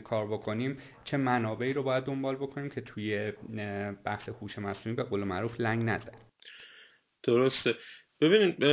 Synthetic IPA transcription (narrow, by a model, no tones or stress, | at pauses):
kʰɒːɾbo̞kʰo̞niːm | t͡ʃʰe̞mænɒːbe̞iːɾobɒːjæd̪̚ːo̞mbɒːlbo̞kʰo̞niːmcʰe̞t̪ʰuːje̞ | b̥æhse̞huːʃe̞mæsuːmiːbe̞ɣoːlemæʔɾuːflæŋɡnæd̪æn | d̪̥oɾost̪eb̥ebiːniːd̪̚